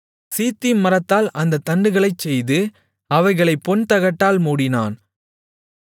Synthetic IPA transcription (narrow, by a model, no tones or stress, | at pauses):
siːt̪ːɪmmːɐɾɐt̪ːaːlʔɐnd̪ɐt̪ːɐɳɖɯɣɐɭɐɪt͡ʃːɛjðɯ | ɐʋɐɪɣɐɭɐɪpːɔnt̪ɐɣɐʈːaːlmuːɽɪna̰ːn